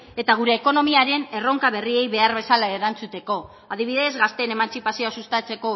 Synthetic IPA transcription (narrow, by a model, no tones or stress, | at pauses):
e̞t̪aɣ̞uɾe̞ːko̞no̞miaɾe̞ne̞ro̞ŋkaβe̞rie̞jβe̞aɾβe̞salaeɾant͡sut̪e̞ko̞ | að̞iβ̞iðe̞zɣast̪e̞ne̞mant͡sipasioasust̪at͡se̞ko̞